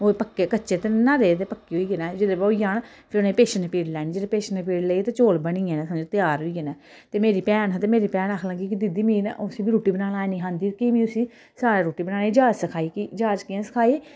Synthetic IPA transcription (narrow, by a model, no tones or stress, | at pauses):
oːpəkːeːkətːt͡ʃeːt̪enaːɾeːt̪̬eːpəkːiːoiːeːnɛːd͡ʒɪd̪eːboːijaːn | pʰɪɾʊnẽːpeːʃənːpiːɽlɛːñiːd͡ʒɪd̪eːpeːʃənepiːɽleit̪eːt͡ʃoːlbəɳiːẽːnẽːsad͡ʒoːt̪ɪjaːɾɦoiːɡeːnɛː | t̪eːmeːɾiːpɛːnãt̪eːmeːɾiːpɛːnaːkʰləɡiːkɪd̪ɪd̪iːmĩːnosiːbiːɾuːʈiːbənaːnaːnĩːɦãːnd̪iːkiːmĩːʊsiː | saːɾaːɾuːʈiːbənaːneːd͡ʒaːd͡ʒsəkʰaːiːkiːd͡ʒaːd͡ʒkɪãːsə̥kʰaːiː